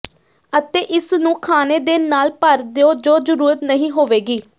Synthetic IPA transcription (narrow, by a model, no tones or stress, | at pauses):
ət̪eːʔɪsnũːkʰaːneːd̪eːnaːlpəɾd̪ejoːd͡ʒoːzəɾuːɾət̪nəɦĩːɦoːʋeːɡiː